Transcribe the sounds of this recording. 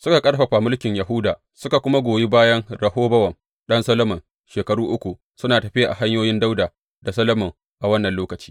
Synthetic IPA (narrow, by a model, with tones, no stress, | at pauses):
sʊ˦ka˨kʼɐ˦ɽɸɐ˨ɸa˨mʊ˦lkʲɪ˨ɲjɐ˨ɦʊ˦daː˨ | sʊ˦ka˨kʷʊ˦ma˦ɡʷoː˨je˦baː˦jɐ˦ŋɽɐ˨hoː˦bɐ˦wɐ˨ŋ | ɗɐ˦nsɐ˦lɐ˦mɐ˨ŋ | ʃeː˨kɐ˨ɽuː˦ʔʊ˦kʷu˨ | sʊ˦naː˨tɐ˨ɸɪ˦ʔa̰˨ɦa˦ɲjoː˦jɪ˦nda˦wdaː˨ | da˨sɐ˦lɐ˦mɔ˨ŋ | ʔa˨wɐ˦nːɐ˨nloː˦kɐ˨t͡ʃi̥ː˦